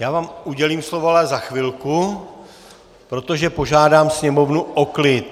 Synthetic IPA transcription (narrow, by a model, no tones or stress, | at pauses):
jaːvaːmuɟɛliːmslovoalɛzaxvɪlku | pɾo̞t̪o̞ʒɛpo̞ʒaːdaːmsɲɛmo̞vnuʔoklɪt̪